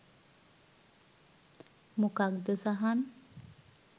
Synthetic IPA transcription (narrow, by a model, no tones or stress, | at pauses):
mukakd̪əsaɦan